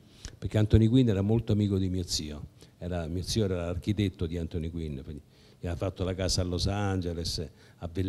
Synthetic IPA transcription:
peɾk̟eant̪onik̬winːɛːɾamolt̪oamiːkod̪imiːot̪siːoɛːɾamiot̪siːoɛɾɛɾaark̟it̪et̪ːod̪iant̪onikwinːpini | miafat̪ːolakaːsalːosand͡ʒeles | avːel

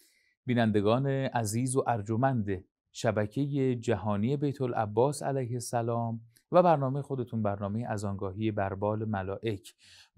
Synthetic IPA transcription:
b̥iːnænd̪e̞ɡɒːne̞ʔæziːzoʔæɾd͡ʒomænd̪e | ʃæbæcʰe̞jed͡ʒæɦɒːniːe̞be̞jt̪ʰolʔæ̰bːɒːsæ̰læjhe̞sælɒːm | væbæɾnɒːme̞jexod̪e̞t̪ʰunbæɾnɒːme̞jeʔæzɒːŋɡɒːɦiːje̞bæɾbɒːlemælɒːʔe̞cʰ

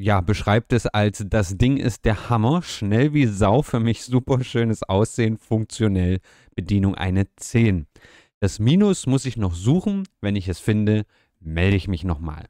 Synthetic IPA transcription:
jaːbəʃʁ̥aɪp̚tɛsalsd̥asd̥ɪŋɪ̰st̚d̥eːɐhamɐʃnɛlviːzaʊfyːɐmɪçz̥uːpɐʃøːnəsʔaʊsz̥eːənfʊŋk̚t͡sjonɛl | b̥ədiːnʊŋʔa̰ɪnət͡seːn | d̥asmiːnʊsmʊsɪçnɔχz̥uːxn̩vɛnɪçɛsfɪndə | mɛldəɪçmɪçnɔχma̰ːl

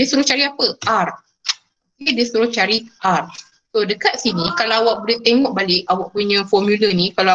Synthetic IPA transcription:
diəsuɾʊht͡ʃaɾiapəar | kediəsuɾʊht͡ʃaɾiʔar | sodəkat̪̚sinikalaawaʔ̚bolɛht̪eŋɔʔ̚balɪʔawaʔ̚puɲãfɔmjulənikala

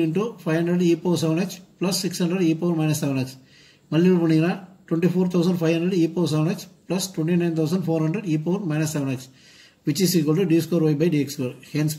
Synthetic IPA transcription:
iɳʈupʰɐjʋɦɐɳɖɾeɖiːpoːs̬eʋɐnɖet͡ʃplɐsːikshɐnɳɖɾeɖiːpoːɾmɐjnɐsːeʋɐnet͡ʃ | mɐlːiɾpuɳiɡinɐʈweɳʈiːpʰoːɾt̪ʰɐws̬ɐɳɖpʰɐjɦɐnɳɖɾeɖiːpoːs̬eʋnet͡ʃplɐsʈʋeɳʈinɐjnt̪ʰɐws̬ɐɳɖpʰoːɾɦɐɳɖɾeɖiːp̬oːɾmɐjnɐsːeʋɐnekt͡ʃ | ʋit͡ʃːisiːkʋɐlʈuɖiskoːɾʋɐjbɐjɖiːekskuɾhens

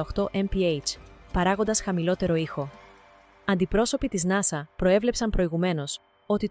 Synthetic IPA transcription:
oxt̪o̞ʔempiejt͡ʃpɐɾɐɣond̪ɐsxɐmilo̞t̪e̞ɾo̞ixo̞ | ɐnd̪ipɾo̞so̞pit̪iznɐsɐpɾo̞e̞vle̞psɐmpɾo̞iɣume̞no̞s | o̞t̪it

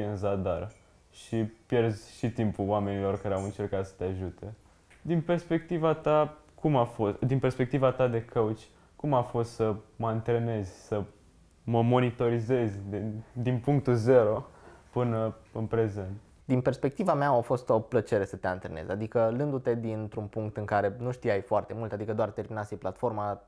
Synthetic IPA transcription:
ɨnzad̪ar | ʃipje̞rzʲʃit̪impulwame̞nilo̞rkaɾeawɨnt͡ʃe̞rkat̪sə̥t̪eaʒut̪e̞ | d̪inpe̞rspe̞k̚t̪ivat̪a | kumafosd̪inpe̞rspe̞k̚t̪ivat̪ad̪e̞kʰəut͡ʃʲ | kumafo̞st̪səməɨnt̪ɾene̞zʲsə | məmo̞nit̪o̞ɾize̞zʲd̪id̪inpuŋk̚t̪uze̞ɾo̞pɨnəɨnpɾe̞ze̞nt̪ | d̪inpe̞rspe̞k̚t̪ivameaafo̞st̪o̞plət͡ʃe̞ɾe̞sət̪eant̪ɾene̞̰zʲa̰d̪ikəlɨnd̪ut̪e̞d̪int̪ɾunpuŋk̚t̪ɨŋkaɾe̞nuʃt̪ijajfoart̪e̞mult̪ad̪ikəd̪oart̪e̞rminat̪siplat̪fo̞rma

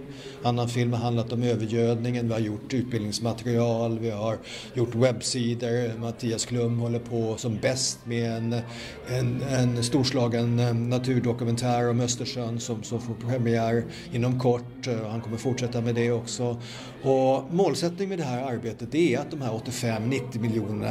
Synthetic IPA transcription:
anːanfɪlmhaɾɦand̪lat̪ɔmøːvəɾjøːd̪nɪŋənvɪhaɾjʊʈːʉ̟ːt̪̚bɪldnɪŋsmat̪ɾɪɑːlvɪhaɾ | jʊʈːwɛbːsiːd̪əɾmat̪ʰiːaskʰlɵmːhɔlːəɾpʰɔsɔmbɛst̪mɛɛn | ɛɛnst̪uːʂlɑːɡənːat̪ʰʉ̟ːɖɔkɵmɛnt̪ʰæːɾɔmœst̪əʂœnsɔmsɔmfoːɾpʰɾɛmɪæːɾ | ɪnːɔmkʰɔʈːɔhankʰɔmːəɾfʊʈʂɛt̪ːamɛd̪ɛɔksɔ | ɔmoːlsɛt̪nɪŋmɛd̪ɛɦæːɾaɾbeːt̪ət̪̚d̪ɛæɾat̪̚d̪ɔmhæːɾɔt̪ːɪfɛmːnɪt̪ːɪmɪljuːnəna̰

